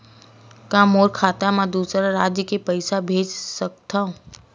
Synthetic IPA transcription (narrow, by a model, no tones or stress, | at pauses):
kãːmoːɾkʰaːt̪amãd̪uːsɾaɾaːd͡ʒjəkepəɪsabʱeːd͡ʒsək̚t̪aɦũ